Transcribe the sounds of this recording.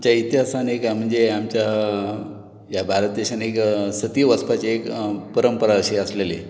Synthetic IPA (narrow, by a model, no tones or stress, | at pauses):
t͡ɕjait̪jasanekam̤əɳd͡zeamt͡ɕja | jabʱaɾət̪̚d̪eɕaneksət̪iʋəspat͡ɕeekpəɾəmpəɾaɕeəslele